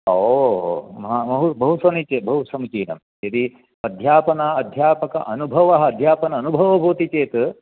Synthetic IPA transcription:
o | mɐɦamɐɦubɐɦusɐnit͡ʃebʱɐɦusɐmut͡ʃiːnɐ̰m | jɐd̪i | ɐd̪ʱjaːpɐnɐɐd̪ʱjaːpɐkɐ̰ʔɐnubʱɐʋɐɦɐːd̪ʱjaːpɐnɐːnubʱɐʋɐbʱoːt̪it͡ʃeːt̪

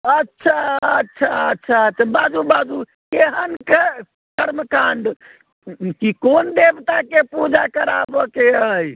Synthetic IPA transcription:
ətːʃʰaətːʃʰaətːʃʰaətːt͡ʃʰabad͡ʒubad͡ʒu | keɦənke | kəɾməkaɳɖ | kikond̪ebt̪akepud͡ʒakəɾa̰bɔkeəi

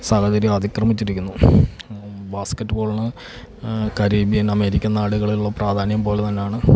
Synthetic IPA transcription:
saːhɐd͡ʑɐɾjmɐd̪ʱikrɐmit͡ɕːiɾikʲːunːu | baːskɐtːɨbo̞ːɭɐnɨ | kɐɾiːbijɐnɐme̞ːɾikʲːɐnaːɽuɣɐɭiluɭːɐpraːd̪ʱaːnjɐmpo̞ːlet̪ɐnːe̞jaːɳɨ

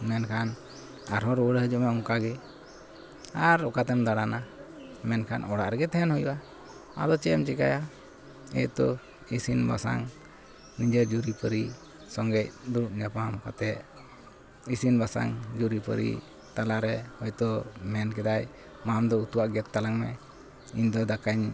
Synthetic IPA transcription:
mɛnkʰan | aɾɦɔɾwəɽɦəd͡ʒuʔmɛɔŋkaɡɛ | aɾɔkat̪ɛmd̪aɽana | mɛnkʰanɔɽaʔɾɛɡɛt̪ɛɦɛnhujuʔa | a̰d̪ɔt͡ʃɛɛmt͡ʃɛkaja | ɛ̰t̪ɔ | isinba̰sa̰ŋ | nid͡ʒəɾd͡ʒuɾipəɾi | sɔŋɡɛc̚d̪uɾuʔ̚ɲapamka̰t̪ɛʔ | isinbasa̰ŋd͡ʒuɾipə̰ɾḭ | t̪alaʔɾɛhɔjt̪ɔmɛnkɛd̪aj | mamd̪ɔut̪uwaʔɡɛt̪ːalaŋmɛ̰ | iɲd̪ɔd̪akaɲ

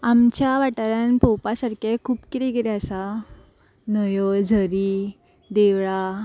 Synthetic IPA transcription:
amt͡ɕjaʋaʈaɾanpɔwpasaɾkekʰuːpkiɾeɡeɾeəsa | nəjɔd͡zʱəɾi | d̪eʋɭa

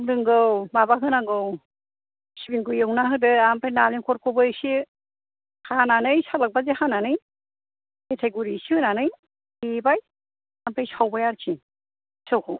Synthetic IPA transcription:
mdɯŋɡɯwbabakʰɯnaŋɡɯw | sibiŋkɯjɯwnaɦɯdɯampʰajnalinkʰɔɾkʰɔbɯjsi | hananɯjsalak̚bazehananɯj | etʰejɡuɾisiɯnanɯj | ebaj | ampʰajsawbajaɾkʰi | sawkʰɔw

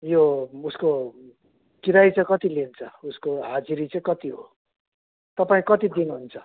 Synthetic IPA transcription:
jousko | kiɾajt͡sʌkʌt̪ilint͡sʰʌuskoɦad͡ziɾit͡saĩkʌt̪iɦo | t̪ʌpaĩkʌt̪id̪inɦunt͡sʰʌ

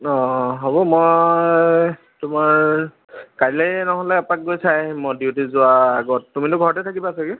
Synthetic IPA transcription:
ɔ̃ɦobɔmɔ | tʊmaɹ | kaɹilɛnɔɦɔlɛapak̚ɡojsajmɔdiutizʊaːɡɔtːumitʊɡʱɔɹɔtɛtʰakibaːsakɛ

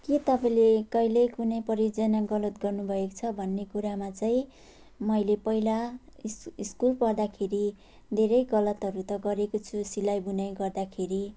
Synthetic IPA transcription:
kit̪ʌpãĩlekʌjlʌjkunʌjpʌɾid͡zʌnaɡʌlʌt̪̚ɡʌrnubʱʌekt͡sʰʌbʱʌnːekuɾamat͡sʌĩ | mʌjlepʌilasiskulpʌrd̪akʰeɾi | d̪ʱeɾʌjɡʌlʌt̪ʌɾut̪ʌɡʌɾekot͡sʰusilajbunajɡʌrd̪akʰeɾi

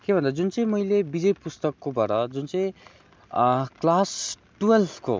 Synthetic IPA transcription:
kebʱʌnd̪ad͡zunt͡sʌĩmʌilebid͡zʌjpust̪ʌkːobʱʌɾʌd͡zunt͡sʌĩ | klas | ʈuelʰko̰

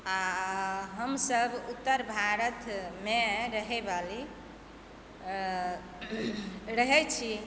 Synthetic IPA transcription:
a | ɦəmsəbut̪ːəɾbʱaɾət̪meɾəɦɛbali | ɾəɦɛt͡ʃʰi

